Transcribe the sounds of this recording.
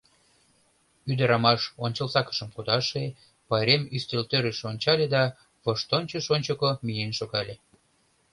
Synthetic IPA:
yd̪ə̆ɾɑmɑʃonʲt͡ɕəlsɑkə̥ʃəmkud̪ɑʃe | pɑjɾemyst̪elt̪øɾeʃonʲt͡ɕɑlʲed̪ɑ | βəʃt̪onʲt͡ɕəʃonʲt͡ɕokomijenʃoɣɑlʲe

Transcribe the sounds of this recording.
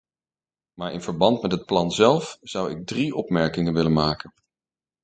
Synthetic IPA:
maːɹɪ̰nvəɹbɑntmɛtɦət̚plɑnzɛlˠfz̥ʌwɪ̰ɡ̚driʔɔpmɛɹkɪŋənʋɪlənmaːkən

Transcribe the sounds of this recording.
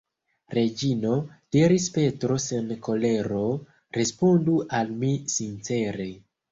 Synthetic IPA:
ɾe̞d͡ʒino̞d̥iɾispe̞tɾo̞senko̞le̞ɾo̞ | ɾe̞spo̞nduʔalmisint͡se̞ɾe

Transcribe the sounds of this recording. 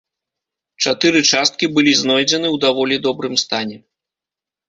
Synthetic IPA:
t͡ʂat̪ɨɾɨt͡ʂast̪̚kʲibɨlʲiznɔjd͡zʲɛnɨwd̪avɔlʲid̪ɔbɾɨmst̪anʲɛ

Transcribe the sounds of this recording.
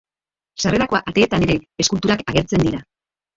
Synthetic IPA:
sare̞ɾako̞aʔat̪e̞ːt̪ane̞ɾe̞eskult̪uɾakaɣ̞e̞ɾt͡se̞nd̪iɾa

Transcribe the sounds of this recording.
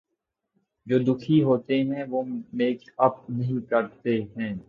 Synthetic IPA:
d͡ʒoːd̪ʊkʰiɦoːt̪eɦɛ̃ʋoːmeːkɐp̚nɐɦĩkɐɾt̪eɦɛ̃ː

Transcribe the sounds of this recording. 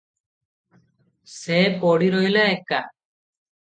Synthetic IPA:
sɛpɔɽiɾojlaɛka̰

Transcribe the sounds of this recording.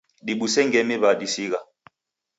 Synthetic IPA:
ɗiɓusɛŋɡɛmiβaɗisiɣa

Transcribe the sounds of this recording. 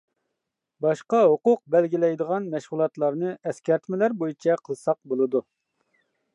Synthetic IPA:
bɑʃqɑɦoqʊq̚bɛlɡʲilɛjd̪əʁɑnmɛʃʁulˠɑt̪lˠɑɾnɨʔɛskʲɛɾt̪ʰmɪlæɾbojit͡ʃʰɛqʰəlˠsɑq̚bolˠɨd̪u

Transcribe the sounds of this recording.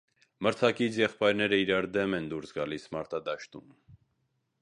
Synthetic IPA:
məɾt͡sʰɑkit͡sʰjɛχpɑjɾnɛɾəiɾɑɾd̪ɛmɛnd̪uɾsɡɑlismɑɾt̪ɑd̪ɑʃt̪um

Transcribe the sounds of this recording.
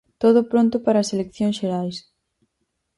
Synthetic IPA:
t̪oð̞ʊpɾont̪ʊpaɾɐːselekθjõŋsʃeɾajs

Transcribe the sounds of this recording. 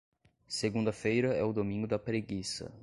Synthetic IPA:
seɡũnd̪ɐfejɾɐɛʊd̪omĩɡʊd̪ɐpɾeɡisɐ̰

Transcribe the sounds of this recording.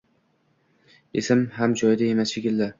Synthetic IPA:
esɪmɦamd͡ʒɒjd̪ae̞masʃekʲɪld̪ɪ

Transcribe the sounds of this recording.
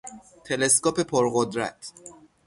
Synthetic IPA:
t̪ʰe̞le̞skɒːpe̞pʰoɾɢod̪ɾæ̰t̪ʰ

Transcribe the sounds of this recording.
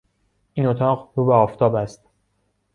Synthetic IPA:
ʔiːnot̪ʰɒːqɾuːbeɒːft̪ʰɒːbæst̪

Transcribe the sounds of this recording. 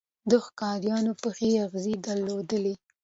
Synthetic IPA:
d̪əxkɑɾjɑnopəxeaɣzid̪aɾlːod̪əle

